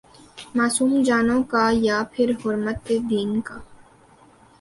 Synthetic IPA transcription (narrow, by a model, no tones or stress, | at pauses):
maːsuːmd͡ʒaːnõkajapʰɪɾɦʊɾmət̪ed̪iːnka